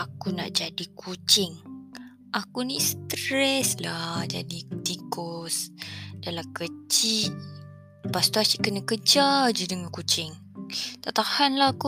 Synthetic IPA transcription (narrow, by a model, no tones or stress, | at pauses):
akuna̰ʔd͡ʒadikʰut͡ʃɪŋ | ʔakunist̪ɾɛslahd͡ʒa̰dit̪ikɔsdalakət͡ʃi | past̪uat͡ʃiʔkənakəd͡ʒad͡ʒədəŋankut͡ʃɪŋ | t̪aʔt̪ahanlaku